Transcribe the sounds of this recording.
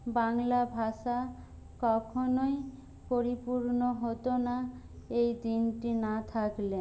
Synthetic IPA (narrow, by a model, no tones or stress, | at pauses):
baŋlabʱaʃa | kɔkʰonoj | poɾipuɾnoɦot̪ona | ejd̪inʈinat̪ʰakle